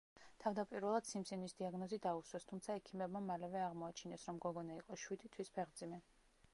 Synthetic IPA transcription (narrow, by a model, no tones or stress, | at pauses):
t̪ʰavd̪apʼiɾvɛlˠad̪̥simsinisd̪iaɡnɔzid̪auswɛst̪ʰumt̪sʰaɛkʰimɛbmamalɛvɛaʁmɔat͡ʃʰinɛsɾɔmɡɔɡɔnaiqʼɔʃwid̪it̪ʰwispʰɛʁd̪zimɛ